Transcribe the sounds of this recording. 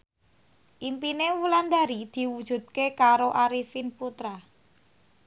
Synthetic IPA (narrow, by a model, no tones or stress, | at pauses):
ʔimpinewuland̪aɾid̪̥i̤wud̥ʒ̥ṳd̪̚kekaɾoʔaɾifinput̪ɾa